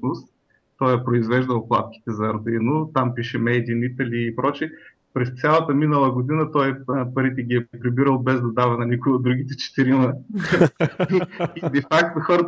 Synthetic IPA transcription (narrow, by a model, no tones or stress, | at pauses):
nʊst̪ | t̪ːɔjɛpɾoizvɛʒd̪əlˠplˠa̰t̪̚k̟ʲi̥t̪ɛzɐɾd̪inʊt̪ampiʃɛmɛjd̪iːnit̪ɐlʲiːpɾɔt͡ʃi | pɾɛst̪sʲjalˠɐt̪əminəlˠɐɡod̪inət̪ɔjpɐɾit̪ɛɡʲiɛpɾibiɾəlˠbɛzd̪ɐd̪avɛnɐnʲikojod̪ɾuɡʲit̪ɛt͡ʃɛ̥t̪iɾimɐ | id̪ɛfakt̪ʊxɔɾə